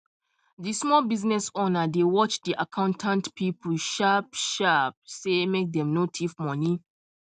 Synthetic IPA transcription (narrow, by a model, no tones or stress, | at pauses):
dismɔlbiznɛsonadewɔt͡ʃdiʔakʰãʊ̃ntʰãntpipʰuʃapʃap̚semek̚dɛ̃mnotʰifmɔ̃ni